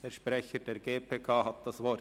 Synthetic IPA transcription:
ɛːʃpʁɛçəd̥eːɾɡeːpʰeːkʰaːhat̪̚d̥asvɔɾ

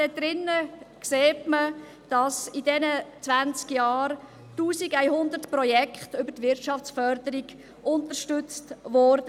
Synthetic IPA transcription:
d̥ɛdɾɪnːəkseːtmə | d̥ɑsidɛnət͡sʋænt͡skjɑːr | tuːsiɡæɪhʊnd̪ətprɔjɛkχtʏbətʋɪɾtt͡ʃɑft͡sfœɾd̪əɾiɡ | ʊntəɾʃtʏt͡stʋɔɾdə

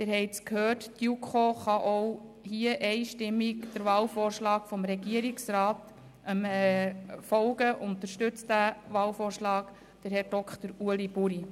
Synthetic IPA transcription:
d̥ɪɾhɛɪt͡skhøːrttjukʰoχɑʔow | hiəʔɛɪʃtɪmːikd̥əɾvɑːlfoːrʃlɑːkfɔmɾɛɡiəɾiksɾɑːt | ʔəmɛfɔlɡəʔʊntəʃtɵt͡s̚ævʋɑːlfoːrʃlɑːk | d̥əɾhɛɾd̥ɔkχt̪əɾuəlibuɾi

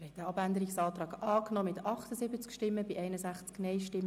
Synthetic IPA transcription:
hɛɪdɛɑbænd̪əɾiksɑːt̪ɾɑːɡɑːknɔmɪt̪ʰɑχt̪əzɪbət͡skʃtɪmːəbɪʔɛɪnəsæχt͡sknɛɪjʃtɪmːə

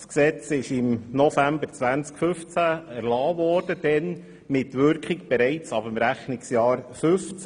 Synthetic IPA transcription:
sksɛt͡sɪʃɪmnɔfæmbəɾt͡sʋænt͡skfʏft͡sææɾlɑːʋɔːɾd̥əd̥ɛn | mɪtʋʏɾkχɪkb̥ɛɾɛɪt͡sɑbəmɾæχnɪksjɑːɾfʏft͡s

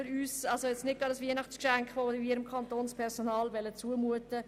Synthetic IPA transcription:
ɪɾyːsɑlsojɛt͡snɪt̚ɡ̥ɑdɑsʋiənɑχt͡skʃæŋkʋoiːɾəmkʰɑntoːnspʰɛɾsonɑːlvɛlət͡suəmuətə

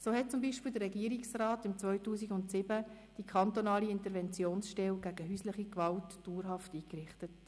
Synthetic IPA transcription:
soːɦɛt̚t͡sʊmbiːʃpɪːld̪əɾrʁɛɡiːəɾiksraːtɪmt͡svœʏtuːsiɡʊntsɪbə | d̥ikʰɑntonɑːliɪntəɾvɛnt͡sjoːnsʃtɛlɡ̥æɡ̥əɦyːsləχikvɑltːd̥uːɾɦɑftiːkrɪχtət

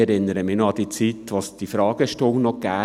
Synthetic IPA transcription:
ɛɾɪnːəɾəmɪnoɑd̥̪it͡sit̪ʋosd̥ifɾɑːɡ̥əʃtoŋnɔɡ̥æː

